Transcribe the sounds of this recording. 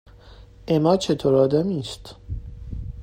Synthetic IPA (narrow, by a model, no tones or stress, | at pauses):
emɒːt͡ʃʰe̞t̪ʰoɾɒːd̪æmiːst̪